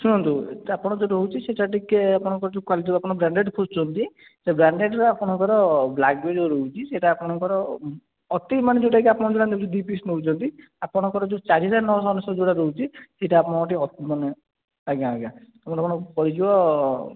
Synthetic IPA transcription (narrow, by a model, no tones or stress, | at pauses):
suɽ̃ɔnt̪uapɔɽ̃ɔd͡ʒoɾout͡ʃʰiseʈaʈikeapɔɽ̃ɔŋkɔɾɔd͡ʒukwalit̪iapɔɽ̃ɔbɾaɳɖeɖkʰost͡ʃʰɔnt̪i | sebɾaɳɖeɖɾɔapɔɽ̃ɔŋkɔɾɔblak̚bed͡ʒɔɾoɦut͡ʃʰiseʈaːpɔɽ̃ɔŋkɔɾɔː | t̪imaned͡ʒoʈakiapɔɽ̃ɔd͡ʒoɽand̪ebɾd̪ipisnout͡ʃʰɔnt̪i | apɔɽ̃ɔkɔɾɔd͡ʒut͡ʃaɾisaɾnɔɦɔsɔnɔsɔd͡ʒoɽaɾout͡ʃʰiseʈaːpɔɽ̃ɔkɔʈ̬iɔt̪imɔne | aɡaːɡa | apɔɽapɔɽ̃ɔpɔɾid͡ʒibɔ